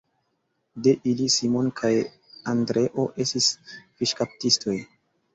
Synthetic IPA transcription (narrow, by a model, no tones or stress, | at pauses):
de̞ʔilisimo̞nkʰaj | andɾe̞ʔo̞ʔe̞stisviʃkap̚tistʰo̞j